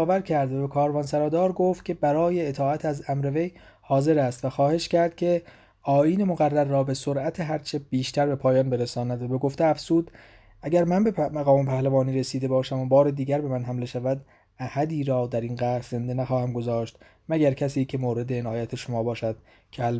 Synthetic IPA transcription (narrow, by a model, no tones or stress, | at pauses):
væɾcʰæɾd̪væbekʰɒːɾvɒːnsæɾɒːd̪ɒːɾɡo̞ːft̪̚cʰʲe̞bæɾɒːjeːt̪ʰɒːæt̪ʰæzæmɾe̞ve̞j | hɒːze̞ɾæst̪væxɒːhe̞ʃcæɾd̪̥̚cʲʰe̞ | ʔɒːjiːne̞moɣærːæɾːɒːbesoɾæt̪ʰeɦæɾt͡ʃʰe̞b̥iːʃt̪æɾbe̞pʰɒːjɒːnbe̞ɾesɒːnæd̪væbe̞ɡoft̪eæfz̥uːd̪ | ʔæɟæɾmænbe̞mæɣɒːme̞pʰæhlævɒːniːɾesiːd̪e̞bɒːʃæmobɒːɾe̞d̪iːɟæɾbe̞mænɦæmle̞ʃævæd̪ | æhæd̪iːɾɒːd̪æɾinɡæhɾze̞nd̪enæxɒːhæmɡo̞zɒːʃt̪ | mæɟæɾcʰæsiːcʰe̞moːɾe̞d̪eːnɒːjæt̪ʰe̞ʃomɒːbɒːʃæd̪̥ | cʲʰl